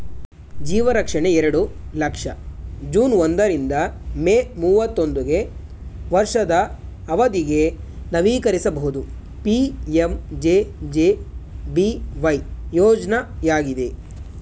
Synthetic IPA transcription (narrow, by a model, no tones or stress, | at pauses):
d͡ʒiːʋɐɾɐkʂɐɳe̞ɛɾɐɽulɐkʂɐd͡ʒuːnond̪ɐɾind̪ɐmemuːʋɐt̪ːond̪uɡe̞ | ʋɐɾʂɐd̪ɐː | ʋɐd̪iɡe | nɐʋiːkɐɾisɐbɐɦud̪u | piemd͡ʒed͡ʒebiʋɐjjɔːd͡ʒnɐjaːɡid̪e̞